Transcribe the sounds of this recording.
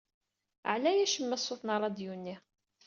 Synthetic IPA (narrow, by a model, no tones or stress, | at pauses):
ʕlæjæʃəmːæsˤːoθˤnɑɾˤɑd̪junːi